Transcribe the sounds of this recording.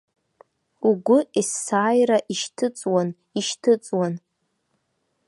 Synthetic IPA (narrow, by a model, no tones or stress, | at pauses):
uɡʷʊisːaːjraʔiʃtʰɨt͡sʼwan | iʃtʰɨt͡sʼwan